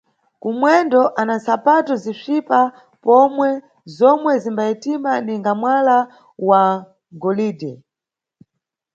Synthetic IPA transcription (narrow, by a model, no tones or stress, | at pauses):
kumwɛndɔʔanansapatɔzifipa | pɔmwɛ | zɔmwɛzimbaitimaniŋɡamwala | wa | ŋɡɔliːdɛ